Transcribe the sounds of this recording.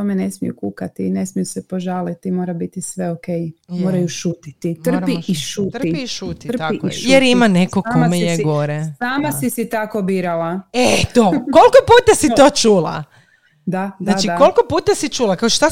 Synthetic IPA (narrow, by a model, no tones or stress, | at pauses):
omene̞smijṵkukat̪ine̞smijusepoʒaːlit̪imo̞ːɾabit̪isʋe̞okejmoːɾajuʃuːt̪it̪it̪r̩piiʃuːt̪iʃut̪raiiʃjeɾimanekoaːomameeɡoɾesaːmasisit̪akobiːɾalaet̪okolˠkopuːt̪asit̪oːt͡ʃuːlˠa̰ | d̪anaːadt͡ʃikolkopuːt̪asit͡ʃuːlˠakaoʃt̪a